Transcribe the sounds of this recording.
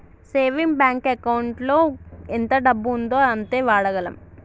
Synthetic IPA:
seːʋimbjaːŋkekɐwuɳʈlo̞ːent̪ɐɖɐbːuːnd̪oːɐnt̪e̞ːʋaːɽɐɡɐlɐ̰m

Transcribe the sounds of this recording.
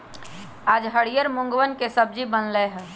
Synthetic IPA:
aːd͡ʒɦəɽijəɾmʊ̃ŋɡʋənkesəb̚d͡ʒibənleɦɛ

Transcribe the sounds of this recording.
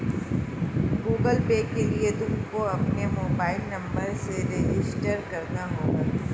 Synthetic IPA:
ɡuːɡəlpeːkːelied̪ʱuːpkoɐpnemoːbaːɪlnɐ̃mbəɾseɾeːd͡ʒɪsʈəɾkɐɾnaɦoːɡaː

